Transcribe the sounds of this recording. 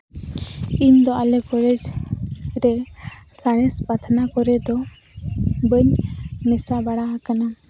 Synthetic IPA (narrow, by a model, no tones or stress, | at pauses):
iɲd̪ɔʔalɛkɔlɛd͡ʒ | ɾɛ | saɽ̃ɛspat̪ʰnakɔɾɛd̪ɔ | bəɲmɛsabaɽaɦakana